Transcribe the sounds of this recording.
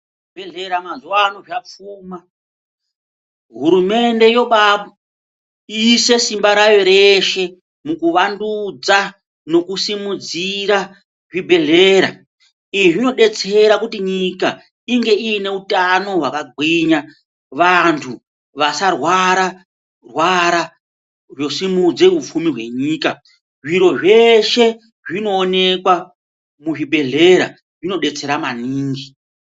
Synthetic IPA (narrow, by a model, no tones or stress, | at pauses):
bʱeɮeɾamanzanoʐap͡fuːma | ɦuɾume̞nde̞jo̞ɓaɓ | ise̞simbaɾajo̞ɾe̞ʃe̞ | mukuʋandud͡za | no̞kusimud͡ziɾa | ʐibʱe̞ɮe̞ːɾa̰ | iʐino̞ɗe̞t͡se̞ɾakutiɲika | iŋɡe̞ʔijine̞utano̞ɦwakaɡʱwiɲa | ʋantʰu | ʋasarwaɾa | rwaɾa | ʐo̞simud͡ze̞up͡fumiɦwe̞ɲiːka | ʐiɾo̞ʐe̞ʃe̞ | ʐino̞ːne̞kwa | muʐibʱe̞ɮe̞ɾa̰ | ʐino̞ɗe̞t͡se̞ɾamaniːŋɡi